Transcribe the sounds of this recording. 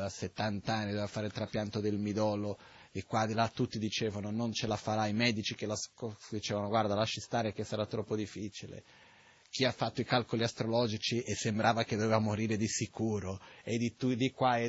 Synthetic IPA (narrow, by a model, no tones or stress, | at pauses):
aset̪ːant̪aanːid̪ovevafːaːɾeilt̪ɾapjant̪od̪elmid̪ɔːlo | ekwad̪ilat̪ːut̪ːid̪it͡ʃeːvanonont͡ʃelafaɾaimɛd̪it͡ʃikelaskɔd̪it͡ʃeːvanoɡward̪alaʃːist̪aːɾek̟esːaɾat̪ːɾɔpːod̪ifːit͡ʃilḛ | k̟iafːat̪ːoikalkoliast̪ɾolɔd͡ʒit͡ʃiesːembɾʔaːvaked̪ovevamoɾiːɾed̪isikuːɾoed̪it̪ud̪ikwaɛ